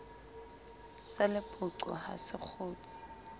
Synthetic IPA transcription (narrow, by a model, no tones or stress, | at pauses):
t͡salɪpʼʊǀɔ̰ha̰sɪk͡xʰʊːt͡sɪ̥